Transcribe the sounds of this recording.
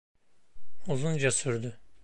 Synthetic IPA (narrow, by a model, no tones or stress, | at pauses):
uzund͡ʒasyɾd̪y